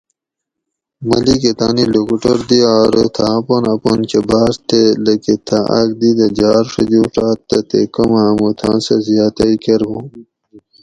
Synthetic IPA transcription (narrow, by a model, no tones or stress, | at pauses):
mɐliket̪aːnilukuʈoɾd̪iaːɾt̪ʰaːponɐpont͡ʃebaːɾt̪elɐket̪ʰaʔɐk̚d̪id̪ɐd͡ʑaːɾʂɐ̰d͡ʑuːʂaːt̪ːɐt̪ḛkɐmamut̪ʰã̰ːnsɐzijaːt̪ɐikeɾbo